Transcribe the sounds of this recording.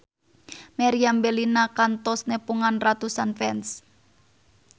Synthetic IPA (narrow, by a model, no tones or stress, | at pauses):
meɾiambelinakant̪ɔsnepuŋanrat̪usanfɛns